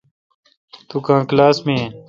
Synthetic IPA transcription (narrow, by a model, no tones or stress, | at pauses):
t̪ukãːklaːsmẽːẽː